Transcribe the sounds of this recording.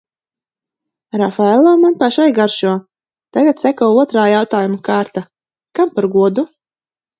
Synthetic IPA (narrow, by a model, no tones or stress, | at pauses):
ɾafaɛlˠaːmanpaʃajɡaɾʃuɔ | t̪aɡat̪sækɔwuɔt̪ɾaːjawt̪aːjumakaːɾt̪a | kampaɾɡuɔd̪u